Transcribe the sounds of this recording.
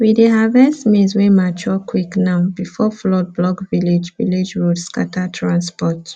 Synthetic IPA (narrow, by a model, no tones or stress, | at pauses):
wideɦavɛstmĩnswemat͡ʃɔkwiknaʊbifɔflɔd̚blɔɡviled͡ʒvḭled͡ʒwudska̰tatʰɹãnspɔt